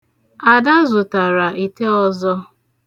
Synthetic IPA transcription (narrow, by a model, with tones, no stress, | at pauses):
a˨da˦zʊ˨ta˨ɾa˨ʔi˨te˦ɔ˦zɔ˦